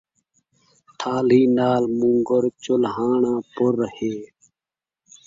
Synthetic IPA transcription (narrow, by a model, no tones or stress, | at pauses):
t̪ʰaːliːnaːlmũːŋɡəɾt͡ʃʊlɦaːɳãːpʊɾheː